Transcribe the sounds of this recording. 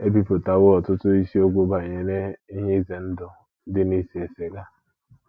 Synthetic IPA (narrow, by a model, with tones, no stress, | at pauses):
e˦bi˦pʊ˨ta˨wo˦ɔ˨tʊ˦tʊ˦i˦si˦o˦ɡʷo˦ba˨ɲe˨ne˦i˦ɲe˦i˦ze˨n̩˦dʊ˦ | dɪ˦ni˦si˨e˨se˨ɡa˦